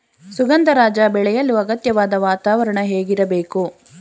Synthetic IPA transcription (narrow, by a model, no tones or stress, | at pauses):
suɡɐnd̪ɐɾaːd͡ʒɐbɛɭɛjɐlːuɐɡɐt̪jɐʋaːd̪ɐʋaːt̪aːʋɐɾɐɳɐɦeːɡiɾɐbeːku